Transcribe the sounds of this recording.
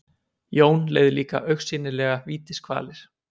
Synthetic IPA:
joːwnleːjðɪliːka̰ʔœɥxsɪːnɪlɛːɣaviːt̪ɪskʰva̰ːlɪɾ̥

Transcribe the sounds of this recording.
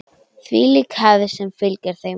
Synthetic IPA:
θvḭliːkhaːðɪsɛmfɪlcaɾ̥θej

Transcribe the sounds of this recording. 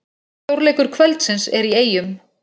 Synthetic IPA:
owɾlɛːkʏɾ̥kʰvœlt̪sɪnsɛɾieːjʏm

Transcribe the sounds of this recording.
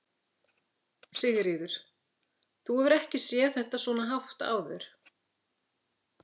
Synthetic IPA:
siːɣɪɾiːðʏɾ̥ | θuɛvʏɾɛhcɪsjɛθɛht̪asɔːnaɦawht̪a̰ːwðɛ̰ɾ̥

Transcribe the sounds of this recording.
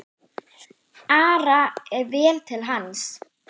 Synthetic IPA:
aːɾaɛɾvɛːlt̪ʰɪlɦans

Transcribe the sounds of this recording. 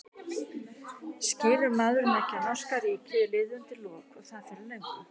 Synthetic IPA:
scɪːɾʏɾmaːðʏɾʏmɛhcːɪanawskaɾiːcɪðɪlɪːðʏnt̪ɪlɔːkɔɣθaðfɪɾɪlœɥŋkʏ

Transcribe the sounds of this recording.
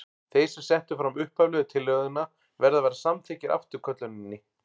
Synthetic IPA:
θejsɛmsɛn̥t̪ʏfɾamʏhpavlœːðʏt̪ʰɪlːœɣðʏnːa | vɛɾðavɛjɾasamt̪ʰɛːcɪɾʔa̰ft̪ʏɾ̥kʰœt̪lœnɪnːɪ

